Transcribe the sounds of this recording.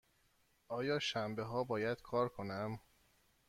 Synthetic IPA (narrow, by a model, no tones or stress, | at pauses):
ʔɒːjɒːʃæmbeɦɒːbɒːjæd̪̥kʰɒːɾkʰo̞næm